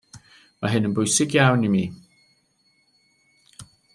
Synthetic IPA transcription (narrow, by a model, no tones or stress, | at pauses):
maɦɪnənbʊjsɪɡjawnimiː